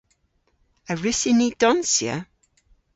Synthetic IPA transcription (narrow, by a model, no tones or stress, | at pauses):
əɹɪsɪnid̥ɔnsjə̰